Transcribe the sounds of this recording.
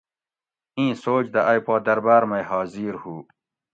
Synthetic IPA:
ĩːsoːt͡ʃd̪ɐʔajpɑːd̪ɐɾbaːɾmajhɑːziɾhuː

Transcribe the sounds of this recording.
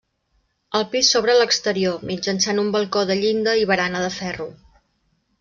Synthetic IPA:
əlˠpisːoβɾələkst̪əɾiomid͡ʒənsanumbəlˠkoðəʎind̪əiβəɾanəðəfɛru

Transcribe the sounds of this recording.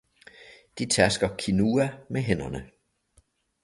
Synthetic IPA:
d̥it͡sʰæɐsɡ̥ɐkʰinuːæmeɦen̰ɐnə

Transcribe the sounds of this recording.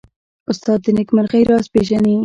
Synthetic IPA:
ʊst̪ɑd̪ːənɪkmaɾxajɾɑspeʒani

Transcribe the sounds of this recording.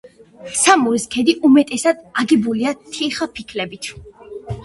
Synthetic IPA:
samuɾiskʰɛd̪iʔumɛt̪ʼɛsad̪̥aɡɛbuliat̪ʰiχapʰikʰlɛbit̪ʰ

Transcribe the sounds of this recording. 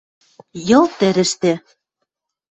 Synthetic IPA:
jɤ̆lt̪æɾɘ̆ʃt̪ĕ

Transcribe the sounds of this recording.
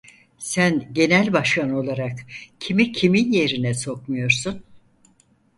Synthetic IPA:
sænɟe̞nælʲbaʃkʰano̞lˠaɾakcʰimicʰiminje̞ɾinɛso̞k̚mujo̞ɾsun

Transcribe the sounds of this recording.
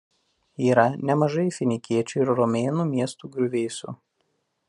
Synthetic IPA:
iːɾɐnʲɛmɐʒɐɪfʲɪnʲɪkʲiɛt͡ʃʲʊɪɾɾɔmʲeːnuːmʲiɛst̪uːɡɾʲʊʋʲeːsʲṵː

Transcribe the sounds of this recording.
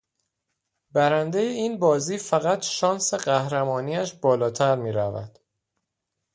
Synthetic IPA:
bæɾænd̪e̞jeiːnbɒːziːfæɣæt̪ʰʃɒːnseɢæhɾæmɒːniːæʃbɒːlɒːt̪ʰæɾmiːɾævæ̰d̪̥

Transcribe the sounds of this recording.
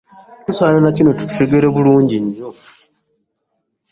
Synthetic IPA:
tusaːnanacino̞tu̥tu̥ʃeɡeɾeβuluːɲɟiɲːo

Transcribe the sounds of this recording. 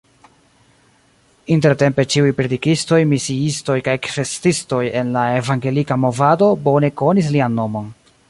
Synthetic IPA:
inte̞ɾte̞mpe̞t͡ʃiujpɾedikisto̞jmisiisto̞jkajkfe̞stisto̞je̞nlae̞vaŋɡe̞likamo̞vado̞bo̞ne̞ko̞nis̬lianːo̞mo̞n

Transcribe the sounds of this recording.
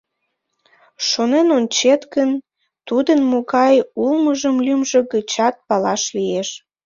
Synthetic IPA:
ʃonenonʲt͡ɕet̪kən | t̪ud̪ənmoɣɑjulməʒəmlymʒe̽ɣət͡ɕɑt̪̚pɑlɑʃlijeʃ

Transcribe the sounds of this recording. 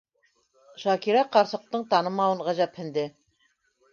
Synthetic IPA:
ʃɑkiɾæqɑɾsɤ̆q̚t̪ɤɴt̪ɑnɤmɑwɤɴʁæʑæphɘ̆nd̪ɘ

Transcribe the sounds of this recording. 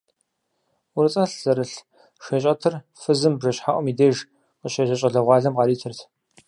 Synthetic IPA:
ʊɾɨt͡sʼɐɬz̥ɐɾɨɬ | ʃeːɕʼɐtʰɨr | fɨzɨmbʐɐɕħaʔʷɔmiːdeːʒ | qəɕeːʒɐɕʼɐɮɐʁʷɑːɮɐmqɑɾiːtʰɨrtʰ

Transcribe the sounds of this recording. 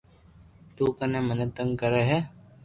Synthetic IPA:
t̪uːkənẽːmənət̪əŋɡkəɾeɦɛ

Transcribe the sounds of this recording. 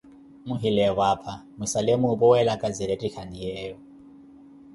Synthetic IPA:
muɦilɛwapʰamusalemupʼɔwɛlakʼad͡ziɾetʼikʰanijɛːu

